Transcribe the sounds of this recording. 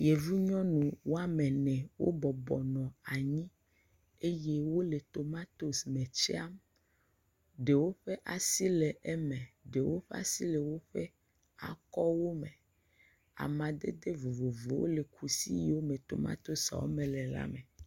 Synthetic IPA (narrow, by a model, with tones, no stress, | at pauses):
je˨vu˦ɲɔ̃˦nũ˨wo˦a˦mɛ̃˨nɛ̃˨wʔo̰˦bɔ˨bɔ˨nɔ̃˨a˨ɲĩ˦ | e˦je˦wo˦le˨t̪o˨mã˦t̪o˦smɛ̃˨t͡ʃe˦a˦m | ɖe˨wo˦ɸe˦ʔa˨si˦lɛ˨ʔɛ˦mɛ̃˨ɖe˨wo˦ɸe˦a̰˦si˦lɛ˨wo˦ɸe˦ | a̰˨kɔ˦wo˦mẽ˨ | a̰˨mã˨d̪ḛ˦d̪e˦vo˨vo˨vo˨wo̰˦le˨kʰu˨sḭ˦ji˨wo˦mẽ˨t̪o̰˨mã̰˦t̪o˦sa̰˨wo̰˦mɛ̃˨lɛ˨la̰˦mɛ̃˨